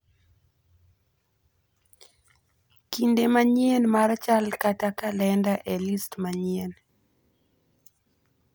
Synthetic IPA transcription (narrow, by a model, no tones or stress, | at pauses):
kindemaɲienmaɾt͡ʃalkatakalɛndaʔelistmaɲien